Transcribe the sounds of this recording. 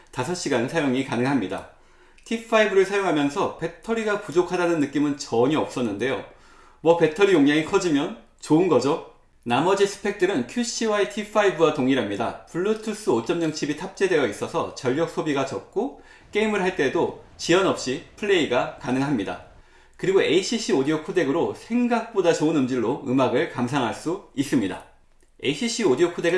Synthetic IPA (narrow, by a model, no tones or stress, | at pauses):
tasʰʌɕ͈iɡansʰajoŋikanɯŋɦamɲida̰ | tʰipʰːaibɯɾɯɭsʰajoŋɦamjʌnsʰʌpe̞tʰʌɾiɡapud͡ʑokʰadanɯnːɯk͈imɯnt͡ɕʌɲiʌp̚s͈ʌnːɯnde̞jo | wʌpe̞tʰʌɾijoŋɲaŋikʰʌd͡ʑimjʌn | t͡ɕoɯnɡʌd͡ʑo | namʌd͡ʑisʰɯ̥pʰe̞k̚t͈ɯɾɯnkʰjuɕ͈ʰiwaetʰipʰaibɯwatoŋiɾɦamɲida̰puɭːutʰus͈ɯot͡ɕ͈ʌmɲʌŋt͡ɕʰibitʰap̚t͡ɕ͈e̞dwe̞jʌis͈ʌsʰʌ̰t͡ɕʌʎːʌk̚s͈ʰobiɡat͡ɕʌp̚k͈o | k͈e̞imɯɭɦaɭt͈e̞do | t͡ɕiʌnʌp̚ɕ͈ipʰɯɭːe̞iɡakanɯŋɦamɲida̰ | kɯɾiɡoe̞iɕʰiɕʰiodiokʰode̞ɡɯɾosʰe̞ŋɡak̚p͈odat͡ɕoɯnɯmd͡ʑiɭːoɯmaɡɯɭkams̬ʰaŋɦaɭs͈uis͈ɯmɲida̰ | e̞̰iɕʰiɕʰiodiokʰode̞ɡɯ